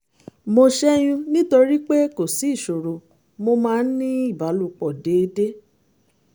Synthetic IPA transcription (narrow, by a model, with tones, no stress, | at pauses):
mo˧ʃɛ˦j̃ũ˧nĩ˦to˧ɾi˦k͡pe˦ko˨si˨˦˨ʃo˨ɾo˨ | mo˧mãː˧˦˧n̩˦nĩ˦i˦˨ba˨˦lu˦˧k͡pɔ˨de˨˧de˦